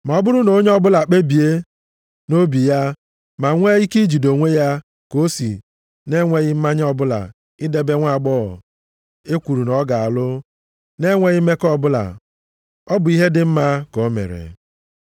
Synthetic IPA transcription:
ma˨ɔ˦bʊ˦ɾʊ˦no˨˦ɲ˦ɔ˦bʊ˦la˨k͡pe˦bi˨e˦ | no˦bi˨ja˦ | ma˨ŋʷe˦i˦ki˦d͡ʒi˨do˨ŋʷe˦ja˦ | ko˦si˨ | ne˦ŋʷe˦ɣɪ˦m̩˦ma˦ɲ˦ɔ˦bʊ˦la̰˨ | ɪ˦de˦be˦ŋʷa˦˨ɡ͡bɔ̰˦˨ | e˦kʷu˨ɾu˨nɔ˦ɡa˨a˨lʊ˦ | ne˦ŋʷe˦ɣɪ˦me˦kɔ˦˨bʊ˦la̰˨ | ɔ˦bʊ˨i˦ɦe˦dɪ˨m̩˦ma˦ko˨˦mḛ˨ɾḛ˨

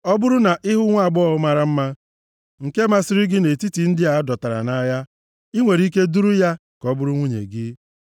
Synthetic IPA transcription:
ɔ˦bʊ˦ɾʊ˦na˨ʔɪ˦ɦʊ˦ŋʷa˦˨ɡ͡bɔ˦ʊ˦ma˨ɾa˦m̩˦ma˦ | ŋ̩˨ke˦ma˦sɪ˦ɾɪ˦ɡɪ˦ne˨ti˦ti˨n̩˦dɪ˦a˨a˦dɔ˨ta˨ɾa̰˨na˦ja˦ | i˦ŋʷe˨ɾi˦ke˦du˦ɾu˦ja˦ | kɔ˦bʊ˦ɾu˦ŋʷu˦ɲḛ˨ɡɪ˦

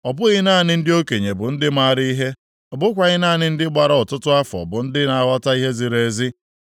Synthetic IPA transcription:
ɔ˨bʊ˦ɣɪ˦na˦˨nɪ˦n̩˦dɪ˦o˦ke˨ɲe˨bʊ˨n̩˦dɪ˦ma˦˨ɾi˦i˦ɦe˦ | ɔ˨bʊ˦kʷa˨ɣɪ˦na˦˨nɪ˦n̩˦dɪ˦ɡ͡ba˨ɾɔ˦ɔ˨tʊ˦tʊ˦a˦fɔ̰˨bʊ˨n̩˦dɪ˦na˨wɔ˦ta˦i˦ɦe˦zi˨ɾe˨˦zɪ˦

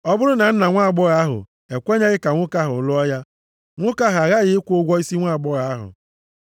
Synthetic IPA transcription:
ɔ˦bʊ˦ɾʊ˦na˨n̩˦na˨ŋʷa˦a˨ɡ͡bɔ˦ɣa˨˦a˦ɦʊ̰˨ | e˨kʷe˦ɲe˦ɣɪ˦ka˨ŋʷʊ˦ka˦ɦʊ̰˨lʊ˦ɔ˦ja˦ | ŋʷʊ˦ka˦ɦa˨ɣa˦ɣɪ˨˦ɪ˦kʷʊ˦ɡʷɔ˦i˦si˦ŋʷa˦˨ɡ͡bɔ˦ɣa˨a˦ɦʊ̰˨

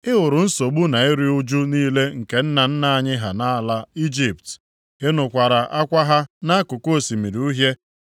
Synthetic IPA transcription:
ɪ˦ɦʊ˨ɾʊ˨n̩˦so˨ɡ͡bu˦na˨ɪ˦ɾi˦ʊ˦d͡ʒu˦niː˦le˦ŋ̩˨ke˨n̩˦na˨n̩˦na˦a˨ɲɪ˦ɦa˨na˦˨la˦i˦d͡ʒi˦˨pt | e˦nʊ˨kʷa˨ɾa˨ʔa˦kʷa˦ɦa˦na˦kʊ˨ko˦˨si˨mi˨ɾi˨u˦ɦje˦

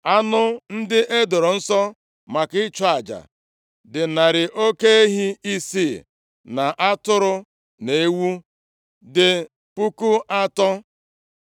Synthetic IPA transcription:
a˦nʊ˦n̩˦dɪ˦ʔe˦do˨ɾo˨n̩˦sɔ˦ | ma˨kɪ˦t͡ʃɔ˦a˨d͡ʒa̰˨ | dɪ˨na˨ɾɪ˨ʔo˦ke˦e˦ɦi˦i˦si˦˨ | na˨ʔa˦tʊ˦ɾʊ˦ | ne˨e˦wu˦ | dɪ˨ | pu˦ku˦ʔa˦tɔ˦

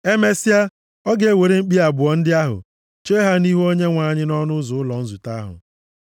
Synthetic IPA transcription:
e˦me˦si˦a˦ | ɔ˦ɡe˨we˨ɾe˦ŋ͡m̩˦k͡pi˦a˨bʊ˨ɔ˨n̩˦dɪ˦a˦ɦʊ̰˨ | t͡ʃe˦ɦa˦ni˦ɦo˦ɲe˦ŋʷa˨˦˨ɲɪ˦nɔ˦nʊ˦zʊ˨ʊ˦lɔ˨n̩˦zu˨ta˦ɦʊ̰˨

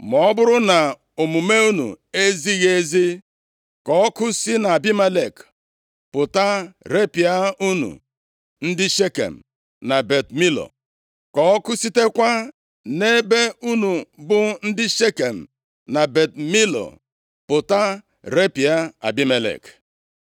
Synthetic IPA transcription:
m˨ɔ˨ɔ˦bʊ˦ɾʊ˦na˨ | o˨mu˨me˦u˦nṵ˨ | e˦zi˦ɣe˦zi˦ | kɔ˨ɔ˦kʊ˦si˦na˨a˨bi˦me˦le˨k | pʊ˨ta˦ɾe˦pi˨a˦u˦nṵ˨ | n̩˦dɪ˦ʃe˦kḛ˨m̩˨ | na˨be˨tmi˦lo̰˨ | kɔ˨ɔ˦kʊ˦si˦te˦kʷa˦ | ne˦be˦u˦nu˨bʊ˦n̩˦dɪ˦ʃe˦ke˨m̩˨ | na˨be˨t̚mi˦lo̰˨ | pʊ˨ta˦ | ɾe˦pi˨a˦a̰˨bi˦me˨lḛ˨k

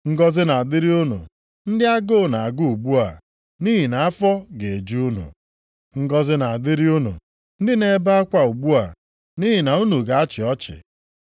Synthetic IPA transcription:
ŋ̩˦ɡɔ˦zɪ˦na˨a˨dɪ˦ɾi˦u˦nṵ˨ | n̩˦dɪ˦a˦ɡo˦˨na˨a˨ɡu˦u˨ɡ͡bu˦a˨ | ni˦ɦi˨na˨a˦fɔ˦ɡe˨e˨d͡ʒi˦u˦nṵ˨ | ŋ̩˦ɡɔ˦zɪ˦na˨a˨dɪ˦ɾi˦u˦nṵ˨ | n̩˦dɪ˦ne˦ba˦a˦kʷa˨u˨ɡ͡bu˦a˨ | ni˦ɦi˨na˨u˦nu˨ɡa˨a˦t͡ʃɪ˨ɔ˦t͡ʃɪ̰˨

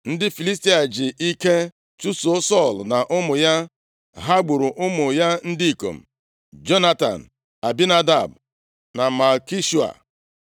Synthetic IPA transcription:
n̩˦dɪ˦fi˨li˦s̬ti˦a˨d͡ʒɪ˨ʔi˦ke˦ | t͡ʃu˦so˦sɔ˦˨lna˨ʔʊ˦mʊ˨ja˦ | ɦa˦ɡ͡bu˨ɾʊ˨ʔʊ˦mʊ˨ja˦n̩˦di˦i˨ko̰˨m̩˨ | d͡ʒo˦na˦ta̰˨n̩˨ | a˨bi˦na˦da˦˨b̚ | na˨ma˨ki˦ʃu˦a̰˨

